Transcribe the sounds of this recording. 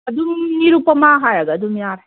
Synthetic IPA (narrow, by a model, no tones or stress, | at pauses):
adumniɾupamaɦajaɡadumjaɾ